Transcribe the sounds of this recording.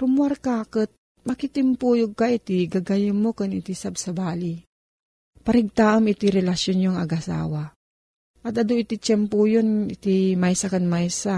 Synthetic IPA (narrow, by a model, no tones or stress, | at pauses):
ɾʊmuaɾkaːkət̪̚ | mɐkit̪ɪmpuːjoɡ̚kait̪iɡaɡajɪnmokʊnɪt̪isab̚sɐbaːli | pɐɾɪɡ̚t̪aʔamɪt̪iɾɛlasjonjoŋɐɡɐsa̰ːwa | ʔɐt̪ɐd̪oɪt̪it͡ʃɛmpujonɪt̪imajsakɐnmajsa